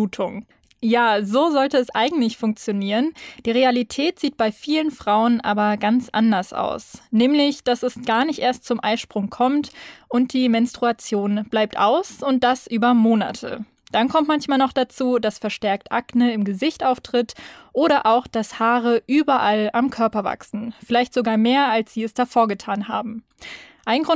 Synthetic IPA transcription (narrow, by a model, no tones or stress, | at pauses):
tʰʊŋ | jaːzoːzɔltəɛsʔaɪɡŋ̩tlɪçfʊŋk̚t͡sjoniːʁənd̥iːʁ̞ealitʰɛːtz̥iːt̚b̥aɪfiːlənfʁ̥aʊənʔaːbɐɡant͡sʔa̰ndɐsʔa̰ʊsnɛːmlɪçd̥asɛsɡ̥aːɐnɪçtʔeːɐstt͡sʊmʔa̰ɪʃpʁ̥ʊŋkʰɔmtʔʊnt̚d̥iːmɛnstʁ̥uat͡sjoːnb̥laɪp̚tʔa̰ʊsʊnt̚d̥asʔyːbɐmoːna̰tʰə̰ | d̥ankʰɔmtmançmaːlnɔχd̥at͡suːdasfɛɐʃtɛɐk̚tʔaknəɪmɡəzɪçtʔaʊftʁ̥ɪtʔoːɾɐʔaʊxd̥ashaːʁəʔyːbɐʔalamkʰœɐpɐva̰ksn̩fɪlaɪçtz̥oɡaːɐmeːɐalsz̥iːɛsd̥afoːɐɡətʰaːnɦa̰ːbm̩ | ʔaɪnɡʁʊ